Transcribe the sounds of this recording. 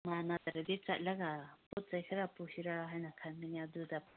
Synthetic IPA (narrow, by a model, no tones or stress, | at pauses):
manat̪aɾadit͡ʃa̰t̚laɡabɔt̚z̥ajkʰaɾapusiɾaɦajnakʰanminiaduda